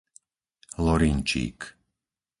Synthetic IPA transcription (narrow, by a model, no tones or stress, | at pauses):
lɔɾint͡ʃḭːk